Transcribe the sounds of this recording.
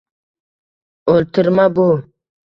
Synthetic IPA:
oltʰɨɾmabo

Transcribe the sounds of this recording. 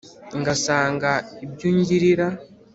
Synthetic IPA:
ŋɡasaːŋɡaibjuːɲɟiɾiɾa

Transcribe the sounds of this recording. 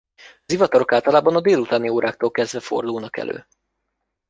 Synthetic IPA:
ɒzivɒt̪ɒɾo̞kaːlt̪ɒlaːbɒnɒd̪eːlut̪aːnioːɾaːk̚t̪oːlkɛzd̪vɛfo̞̰rd̪oːnɒkɛ̰lø̰ː

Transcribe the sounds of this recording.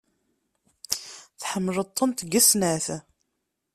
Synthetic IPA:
θħəmːlət̪ˤːənt̪ɡæsnæθ

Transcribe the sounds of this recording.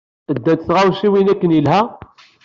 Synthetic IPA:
əd̪ːæt̪sʁæwʃiwinækːənilɦæ

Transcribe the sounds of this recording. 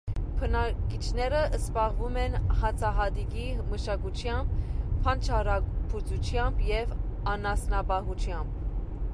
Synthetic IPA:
pʰənɑkit͡ʃʰnɛɾəəspɑʁvumɛnhɑt͡sʰɑɦɑd̪iɡiməʃɑkut͡ʃʰjɑmb̚pʰːɑnt͡ʃʰɑɾɑpʰut͡sʰut͡ʃʰjɑmbjɛvɑnɑsnɑbɑɦut͡ʃʰjɑmb̚

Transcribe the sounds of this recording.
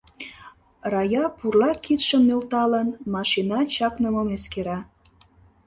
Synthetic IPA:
rɑjɑpurlɑkit̪ʃəmːølt̪ɑlənmɑʃinɑt͡ɕɑknəmomeskeɾɑ

